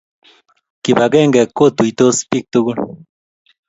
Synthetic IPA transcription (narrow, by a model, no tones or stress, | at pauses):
kibaɡeŋɡekot̪uit̪ospik̚t̪uɡu